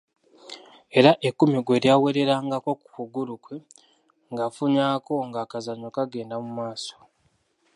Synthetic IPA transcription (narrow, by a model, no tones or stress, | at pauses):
e̞ɾaʔekːumiɡwe̞ɾjaːwe̞ɾe̞ɾaːŋɡako̞ku̥kuɡulukwe̞ | ŋɡafuɲaːko̞ŋɡaːkazaɲokaɡe̞ːndamumaːso̥